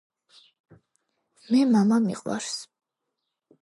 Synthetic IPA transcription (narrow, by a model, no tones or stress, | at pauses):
mɛmamamḭqʼwa̰ɾs